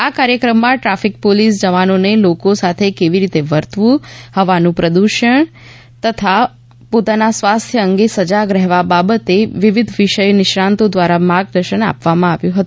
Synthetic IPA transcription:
akaɾjəkɾəmːãʈɾafik̚polisd͡ʒəʋanonelokosat̪ʰekeʋiɾit̪eʋəɾt̪ʋũhəʋanũpɾəd̪uʃəɳ | t̪ət̪ʰa | pot̪anasʋast̪ʰjəəŋɡesəd͡ʒaɡɾɛɦʋababət̪eʋiʋid̪ʱʋɪʃəjonɪʃɾãnt̪od̪ʋaɾamaɡ̚d̪əɾʃəna̰pʋamãaʋjũɦət̪ũ

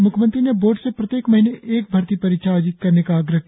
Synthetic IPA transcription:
mʊkʰmə̃nt̪ɾineboːɾʈsepɾɐt̪jeːkmɐɦineʔeːk̚bʱɐɾt̪ipɐɾiːʃʰaaːd͡ʒɪt̪̚kɐɾnekaːɡɾəɦ

